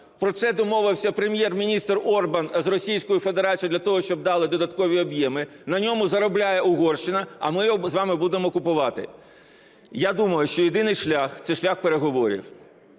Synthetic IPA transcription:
pɾɔt̪sɛd̪ɔmɔʋɪwsʲɐpɾemʲjɛrmʲinʲist̪rɔrbɐnzrɔsʲijsʲkɔjʊfed̪eɾɑt͡sʲijd̪lʲɐt̪ɔɦɔʃt͡ʃɔb̚d̪ɑlˠɪd̪ɔd̪ɐt̪kɔʋʲiɔbjɛmɪ | nɐnʲɔmʊzɐɾɔblʲajɛʊɦɔrʃt͡ʃɪnɐɐ̰mɪjɔzʋɑmɪbud̪emɔkʊpʊʋɑt̪ɪ̰ | jad̪umɐjʊʃt͡ʃɔjɪd̪ɪnɪjʃlʲaxt̪sɛʃlʲaxpeɾeɦɔʋɔɾʲḭw

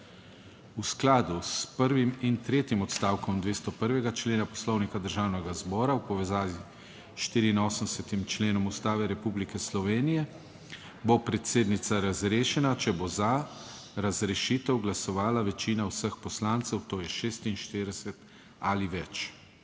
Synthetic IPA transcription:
usklaːd̪uspəɾʋimint̪ɾeːt̪imɔt̪st̪aːwkɔmd̪ʋeːst̪ɔpəɾʋɛɡat͡ʃleːnapɔslɔwnikad̪əɾʒaːwnɛɡazbɔːɾawpɔʋɛzaːʋi | ʃt̪iːɾiːnoːsənsɛt̪imt͡ʃleːnɔmust̪aːʋɛɾɛpublikɛslɔʋeːnijɛ | bopɾɛt̪seːd̪nit̪saɾazɾeːʃɛnat͡ʃɛboza | ɾazɾɛʃiːt̪ɛwɡlasɔʋaːlaʋɛt͡ʃiːnawsəxpɔslaːnt̪sɛwt̪oːjɛʃeːst̪inʃt̪iɾid̪ɛsɛt̪ | aliʋɛt͡ʃ

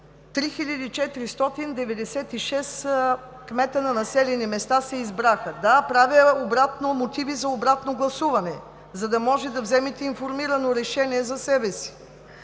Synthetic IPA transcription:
t̪ɾixilʲəd̪it͡ʃɛt̪ɾist̪ɔt̪ind̪ɛvɛd̪ɛsɛt̪iʃɛs | kmɛt̪ənɐnɐsɛlɛnimɛst̪asɛizbɾaxəd̪apɾavʲəobɾat̪nomot̪ivizɐobɾat̪noɡlˠɐsuvɐnɛ | zɐd̪ɐmɔʒɛd̪ɐvzɛmit̪ɛinfoɾmiɾɐnoɾɛʃɛniɛzɐsɛbɛsi̥

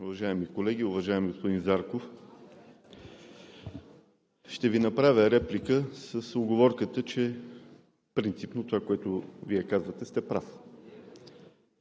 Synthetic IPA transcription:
ʊvɐʒaɛmikolɛɡiʊvɐʒaɛmɡospod̪inzaɾkof | ʃt̪ɛvinɐpɾavʲəɾɛplikəsəsoɡovɔɾkət̪ət͡ʃɛ | pɾint̪sipnot̪ovakoɛt̪ʊviɛkazvət̪ɛst̪ɛpɾaf

